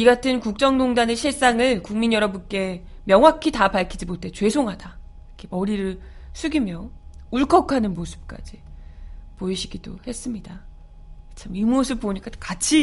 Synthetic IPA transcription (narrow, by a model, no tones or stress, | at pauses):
iɡatʰɯnkuk̚t͡ɕ͈ʌŋdoŋdane̞ɕʰiɭs͈aŋɯɭkuŋminjʌɾʌbunk͈e̞ | mjʌŋɦwakʰitapaɭkʰid͡ʑiboɭt͈e̞t͡ɕwe̞sʰoŋɦada | kʰe̞mʌɾiɾɯɭ | sʰuɡimjouɭkʰʌkʰanɯnmosʰɯ̥p̚k͈a̰d͡ʑi | poiɕʰiɡido̰he̞s͈ɯmɲida | t͡ɕʰamimosʰɯp̚p͈ːoɲik͈akat͡ɕʰi